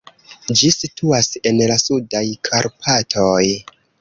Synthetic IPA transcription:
d͡ʒisitʰuase̞nlasudajkʰaɾpʰatʰoj

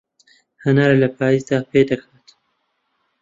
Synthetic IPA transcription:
hɐnaɾelɐpʰaːjizd̪aːpʰeːd̪ɐkʰaːt̪

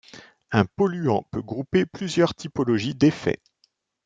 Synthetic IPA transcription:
ɛ̃pɔlyɑ̃pøɡʁupeplyzjœʁt̪ʰipɔlɔʒid̪efɛ̰

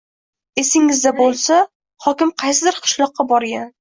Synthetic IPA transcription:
e̞sɪŋɪzd̪abolˠsa | hɒkʲɪmqʰɑjsɪd̪ɪɾqʰɨ̥ʃlˠɒqːɑbɒɾɡʲan

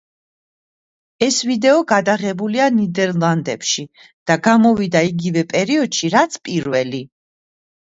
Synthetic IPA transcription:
ɛsvid̪ɛɔɡad̪aʁɛbulianid̪ɛɾlˠand̪ɛpʃi | d̪̥aɡamɔvid̪aiɡivɛpʼɛɾiɔd̪̥ʃiɾat̪sʰpʼiɾvɛli

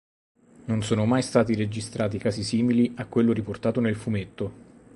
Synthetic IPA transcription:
nonsoːnomajst̪aːt̪iɾed͡ʒist̪ɾʔaːt̪̬ikaːszisiːmiliakːwelːoɾiport̪aːt̪onelfumet̪ːo

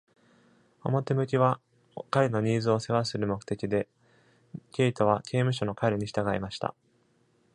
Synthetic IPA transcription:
o̰mo̞t̪e̞mɯ̟kʲiβa | kaɾe̞no̞ɲ̟iːzɨo̞se̞βasɨɾɯ̟mo̞kɯ̟̥t̪e̞kʲid̪e̞ | kʲe̞it̪o̞β̞akʰʲe̞ːmɯ̟ɕ̬o̞no̞kaɾeɲ̟iɕi̥t̪aɡaḭmaɕi̥t̪a̰

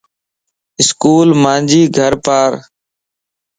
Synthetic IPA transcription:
ɪskuːlmãːnd͡ʒiːɡʱəɾpaːɾ

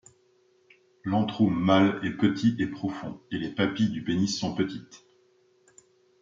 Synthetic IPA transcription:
lɑ̃t̪χomalɛpət̪ʰiepχɔfɔ̰̃elepapid̪ybenisːɔ̃pət̪it̪

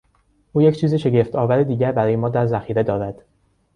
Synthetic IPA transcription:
ʔuːje̞cʰt͡ʃʰiːziːʃe̞ɟeft̪ʰɒːvæɾid̪iːɟæɾbæɾɒːjemɒːd̪æɾzæxiːɾe̞d̪ɒːɾæd̪̥

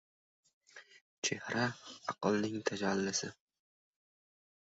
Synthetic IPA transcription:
t͡ʃʰe̞hɾaɑqɨlˠnɪŋt̪ʰad͡ʒalːɪsɪ

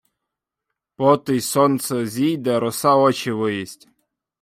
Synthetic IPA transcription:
pɔt̪ɪjsɔnt̪sɛzʲijd̪ɛɾɔsɑɔt͡ʃɪʋɪjisʲtʲ

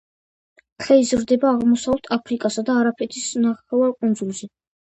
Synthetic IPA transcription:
χɛizɾd̪ɛbaːʁmɔsaɛlt̪ʰapʰɾikʼasad̪aːɾapʰɛt̪ʰisnaχɛvaɾkʼund̪zulˠʃɛ

